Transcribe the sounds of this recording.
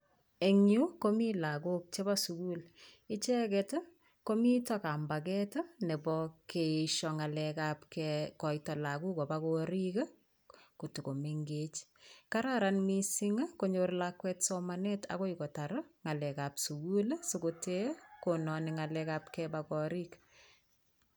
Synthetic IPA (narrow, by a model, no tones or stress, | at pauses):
eŋukomilakuk̚t͡ʃebasukulɪt͡ʃɛkɛto | komitɔkambak̬ɛtonebɔkeʃɔŋalɛkapkɛkɔitɔlakukɔbakoɾikə | kotukomiŋɡet͡ʃkaɾaɾanmisiŋakoɲorlakwɛtsɔmanetʰa̰koikotaɾŋalɛkapsukulsokotekonɔniŋalɛkap̚kɛbakɔɾik